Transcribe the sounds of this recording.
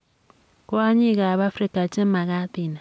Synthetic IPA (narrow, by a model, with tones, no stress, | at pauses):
ko˦a˦ɲi˦˨ɣa˨βa˦fɾi˦ka˨t͡ʃe˦m̩˦ma˨ɣa˦ti˨na˨